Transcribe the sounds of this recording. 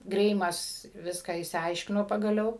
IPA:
ˈɡrʲɛɪmɐs ˈʋʲɪskɑː ɪʃʲsʲɪˈɐɪʃʲkʲɪnoː pɐɡɐˈlʲɛʊ

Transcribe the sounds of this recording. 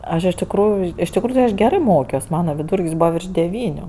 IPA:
ˈɐʃ ɪʃ tʲɪkˈruːjʊ ɪʃ tʲɪkˈruːjʊ tʲɪ ɐʃ ˈɡʲæːrɜ ˈmoːkʲoːs ˈmɑːnɐ ʋʲɪˈduːrʲkʲsʲ ˈbuːʋɐ ʋʲɪrʃ dʲɛˈʋʲiːnʲʊ

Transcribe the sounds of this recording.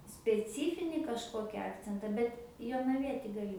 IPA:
sʲpʲɛˈt͡sʲiːfʲɪnʲiː kɐʃˈkoːkʲɪ ˈɑːkt͡sʲɛntɐ ˈbʲɛt joːnɐˈʋʲiɛtʲɪ ɡɐˈlʲɪ

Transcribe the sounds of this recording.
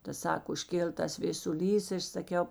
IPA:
ˈtɐ ˈsɑːkoː ʊʃʲˈkʲeːlˠ ˈtɐs ʋʲeːsʊˈlʲiːs ɪ ˈɐʃ sɐˈkʲɛʊ

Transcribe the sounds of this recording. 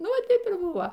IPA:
ˈnʊ ˈʋɐ ˈtɐɪp ɪr ˈbʊʋoː

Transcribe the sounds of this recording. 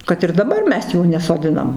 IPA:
kɐt ɪr dɐˈbɐr ˈmʲɛs ˈjuː nʲɛsoːˈdʲɪnɐm

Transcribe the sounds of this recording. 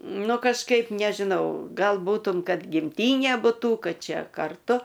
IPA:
ˈnʊ kɐʃˈkɐɪp nʲɛʒʲɪˈnɐʊ ˈɡɐlˠ ˈbuːtʊm ˈkɐt ɡʲɪmʲˈtʲiːnʲeː bʊˈtuː ˈkɐt ˈt͡ʃʲɛ kɐrˈtʊ

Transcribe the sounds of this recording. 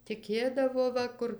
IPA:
tʲɪˈkʲeːdɐʋoː ˈʋɐ kʊr

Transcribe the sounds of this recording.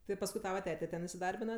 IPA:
tɐɪ pɐsˈkʊɪ ˈtɑːʋɐ ˈtʲæːtʲɛ ˈtʲɛn ɪsʲɪˈdɐrʲbʲɪnɐ

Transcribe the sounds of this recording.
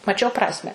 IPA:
mɐˈt͡ʃʲɛʊ ˈprɑːsʲmʲɛ

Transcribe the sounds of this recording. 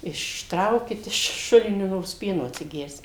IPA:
ɪʃˈtrɐʊkʲɪt ɪʃ ˈʃʊlʲɪnʲoː ˈnoːrs ˈpʲiɛnoː ɐtʲsʲɪˈɡʲɛrʲsʲɪm

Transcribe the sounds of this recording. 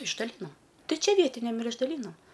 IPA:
ɪʒdɐˈlʲiːnoːm ˈtɐɪ ˈt͡ʃʲɛ ˈʋʲiɛtʲɪnʲɛm ɪr ɪʒdɐˈlʲiːnoːm

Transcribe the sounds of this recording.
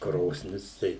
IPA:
ˈkroːsʲnʲɪs ˈtɐɪ

